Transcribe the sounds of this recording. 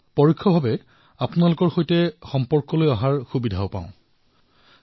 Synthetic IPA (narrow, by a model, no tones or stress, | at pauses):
pɔɹikʰːɔbʱabɛ | apʊnalʊkɔɹxojtɛxɔmpɔɹkɔlojaɦaɹxubidʱaopa̰ʊ̃